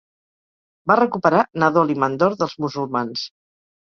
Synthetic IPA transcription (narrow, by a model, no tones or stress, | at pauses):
barəkupəɾanəðolimənd̪ɔɾðəlˠzmuzulˠmans